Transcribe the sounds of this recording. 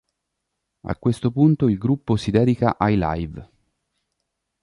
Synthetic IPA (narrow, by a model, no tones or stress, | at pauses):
a̰kwest̪opunt̪oilɡɾupːosid̪ɛːd̪ika̰ʔajla̰jv